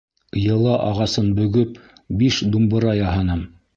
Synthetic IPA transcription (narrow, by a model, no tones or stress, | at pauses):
jɤ̆lˠɑʔɑʁɑsɤnbɵ̆ɡɵpbiʃd̪umbɤ̆ɾɑjɑɦɑnɤm